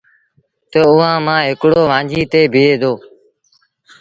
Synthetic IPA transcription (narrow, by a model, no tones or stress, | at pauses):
t̪əʊːãːmãːɦɪkɽoːʋãːd͡ʒʱiːt̪eːbʱɪeːd̪oː